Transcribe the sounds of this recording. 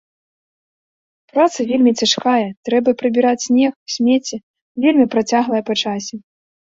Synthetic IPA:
pɾat̪sɐvʲelʲmʲit͡sʲaʂkajɐt̪ɾɛbɐpɾɨbʲiɾat͡sʲsʲnʲɛxwsʲmʲɛt͡sʲɛ | vʲelʲmʲipɾat͡sʲaɣlˠɐjɐpat͡ʂasʲɛ

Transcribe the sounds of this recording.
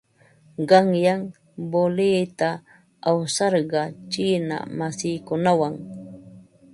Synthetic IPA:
ɢɑŋjaŋ | bolɪjt̪a | awsɑɾɢɑt͡ʃɪːna̰masɪjkʊnawaŋ

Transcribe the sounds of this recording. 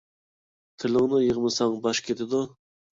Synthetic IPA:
t̪ʰɪlɪŋnɨjəʁmɨsɑŋbɑʃkʲʰet̪ʰɪd̪u

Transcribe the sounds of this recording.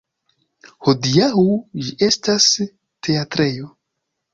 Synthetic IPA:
hodiaud͡ʒiʔe̞stas | tʰe̞atɾejo

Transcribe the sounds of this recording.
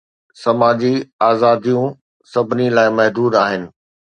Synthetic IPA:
sɐmaːd͡ʑiaːzaːd̪ijũ | sɐbʱɪnilaːɪmɐɦd̪uːd̪aːɦɪnɪ̆

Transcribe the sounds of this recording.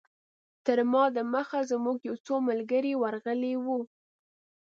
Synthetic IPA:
t̪əɾmɑd̪əməxazəmuɡjawt͡somalɡəɾiwaɾɣəlewu

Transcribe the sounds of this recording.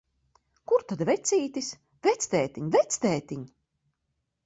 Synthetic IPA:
kuɾt̪ad̪vɛt̪sʲiːt̪is | vɛt̪sʲt̪ɛːt̪iɲvɛt̪st̪ɛːt̪iɲ

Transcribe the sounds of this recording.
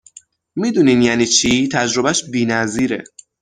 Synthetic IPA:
mid̪uːniːnjæniːt͡ʃʰit̪ʰæd͡ʒɾobæʃbiːnæziːɾḛ

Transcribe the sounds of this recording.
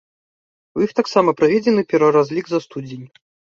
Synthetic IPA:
ixt̪aksamɐpɾɐvʲed͡zʲɪnɨpʲɛɾvɐɾazʲlʲiɡzɐst̪ud͡zʲenʲ

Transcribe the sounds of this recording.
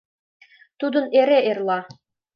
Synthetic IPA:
t̪ud̪ɤ̆neɾeʔerlˠɑ

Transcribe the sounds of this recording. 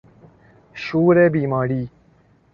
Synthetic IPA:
ʃuːɾebiːmɑːɾiː

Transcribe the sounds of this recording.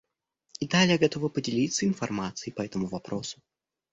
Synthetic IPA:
id̪alʲjaɡɐt̪ovəpədʲɪlʲit̪səɪnfɐrmat̪sɨjɪpɐɛt̪əmʊvɐpɾʔosʊ̥

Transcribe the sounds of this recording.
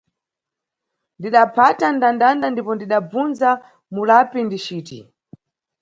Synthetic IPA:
ndiɗapʰatandandandandipɔndiɗab͡vunza | mulapindit͡ʃiːtḭ

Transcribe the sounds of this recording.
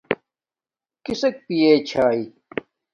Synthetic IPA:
kisɐk̚pijeːt͡ɕʰaːi

